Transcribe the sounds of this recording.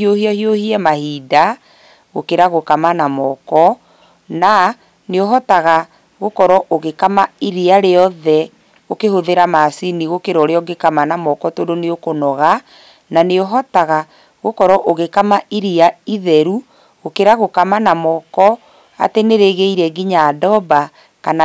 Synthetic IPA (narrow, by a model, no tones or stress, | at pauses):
iohiɔhiohiɛmahida | ɣokeɾaɣokamanamɔkɔ | na | neoɦɔtaɣa | ɣokɔɾɔʔoɣekamaiɾiaɾeɔðɛ | okehoðeɾamasiniɣokeɾɔɾeɔɡekamanamɔkɔtodoneokonɔɣa | naneoɦɔtaɣa | ɣokɔɾɔʔoɣekamaiɾiaiðɛɾu | ɣokeɾaɣokamanamɔkɔ | a̰teneɾeɣeiɾɛɡiɲaːdɔba | kana